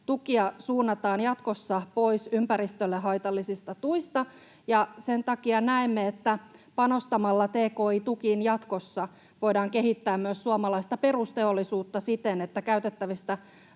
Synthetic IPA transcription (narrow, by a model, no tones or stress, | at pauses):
t̪ukiɑsuːnːɑt̪ɑːnjɑt̪ko̞sːɑpoisympæɾist̪ølːeɦɑjt̪ɑlːisist̪ɑt̪uist̪ɑ | jɑsent̪ɑkiɑnæemːeet̪ːæpɑno̞st̪ɑmɑlːɑt̪eːko̞ːit̪ukinjɑt̪ko̞sːɑ | ʋo̞jdɑːŋke̞ɦit̪ːæːmmyøsːuɑmɑlɑist̪ɑpe̞ɾust̪e̞olːisuːt̪ːɑsit̪enet̪ːækæyt̪et̪ːæʋist̪æ